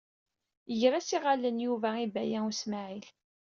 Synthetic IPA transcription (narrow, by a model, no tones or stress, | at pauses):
ʝɾæsiʁalənjuvæibæjæusmaʕil